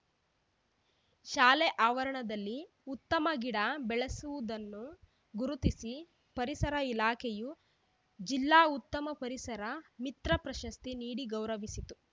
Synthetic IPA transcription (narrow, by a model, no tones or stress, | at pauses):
ʃaːlɛʔaːʋɐɾɐɳɐd̪ɐlːi | ut̪ːɐmɐɡiɽabɛɭesuʋud̪ɐnːu | ɡuɾut̪isi | pɐɾisɐɾɐilaːkʰɛju | d͡ʒilːaːut̪ːɐmɐpɐɾisɐɾɐmit̪ɾɐpɾɐʃɐst̪iniːɽiɡɐwɾɐʋisit̪u